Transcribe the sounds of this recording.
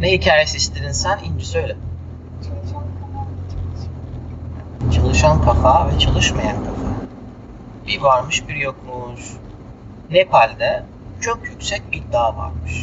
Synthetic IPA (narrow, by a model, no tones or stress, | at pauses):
nɛɦicʰaːjesiʃt̪ʰiɾinsænind͡ʒisø̞jlʲɛ | t͡ʃʰalˠʃand̪kanaɾit̪ʰs | t͡ʃʰalˠɯʃankʰafavɛt͡ʃʰalˠɯʃmajankʰafa | biɾvaɾmɯʃbiɾjoklˠuʃ | nepʰalʲd̪ɛ | t͡ʃʰo̞kjycʲsɛc̚id̪aːva̰ɾmɯʃ